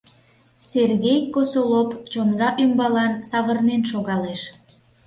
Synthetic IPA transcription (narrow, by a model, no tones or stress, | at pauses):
serɣejkosolopt͡ʃonɣɑʔymbɑlɑnsɑβərnenʃoɣɑleʃ